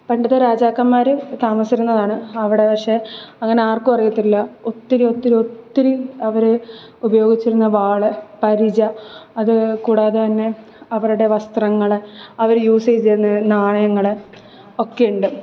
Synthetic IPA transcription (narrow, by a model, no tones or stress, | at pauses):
pɐɳɖɐðɨɾaːd͡ʑaːkːɐmːaːɾɨt̪aːmɐsiɾunːɐðaːɳɨɐʋiɽe̞pɐkʂe̞ɐŋːɐne̞aːrkɨpɐrɐjɐt̪ːiilːɐo̞t̪ːiɾuo̞t̪ːiɾuo̞t̪ːiɾiɐʋɐɾɨ | ubɐjo̞ːɡit͡ɕːiɾunːɐʋaːɭɨpɐɾid͡ʑɐɐðɨkuːɽaːðɨt̪ɐnːe̞ | ɐʋɐɾuɽe̞ʋɐst̪rɐŋːɐɭɐʋɐɾjuːsejt͡ɕeɾunːɐnaːɳɐjɐŋːɐɭɨ | o̞kːejuɳɖɨ